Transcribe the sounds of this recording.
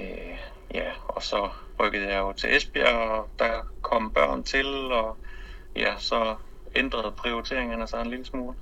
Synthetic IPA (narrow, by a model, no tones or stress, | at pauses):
ø | jæɒ̽sɒ̽ | ʁœɡ̥əð̞̩ˠjɑ̈ɪjo̝t͡sʰe̝ʔesb̥iɐd̥ɑkʰɒ̽m̰b̥ɶɐ̰nt͡sʰe̝lɒ̽ | jæsɒ̽ | end̥ʁɐð̩ˠpʰʁio̝it͡sʰe̝ɐe̝ŋənæsɑenliləsmuːl